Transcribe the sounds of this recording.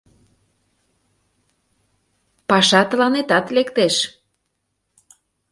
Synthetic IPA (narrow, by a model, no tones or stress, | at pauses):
pɑʃɑt̪əlɑnet̪ɑt̪lekt̪eʃ